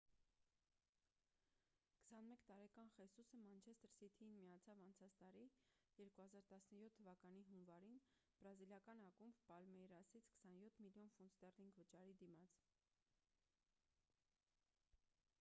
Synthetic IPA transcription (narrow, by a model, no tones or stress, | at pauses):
kə̥sɑnmɛkt̪ɑɾɛkɑnχɛsusəmɑnt͡ʃʰɛst̪əɾsit̪ʰiinmijɑt͡sʰɑvɑnt͡sʰɑt͡sʰt̪ɑɾijɛɾkuhɑzɑɾt̪ɑsnəjɔt̪ʰːəvɑkɑniɦunvɑɾinb̥ɾɑziljɑkɑnɑkumbpɑlmɛjɾɑsit͡sʰkə̥sɑnjɔt̪ʰmiljɔnfunst̪ɛrliŋɡvət͡ʃɑɾid̪imɑt͡sʰ